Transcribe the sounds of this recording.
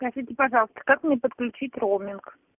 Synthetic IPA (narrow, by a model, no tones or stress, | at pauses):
spɾɐʐitʲɪpɐʐɑlˠəst̪ə̥kakmnʲepət̪klʲʉt͡ɕitʲromʲɪnk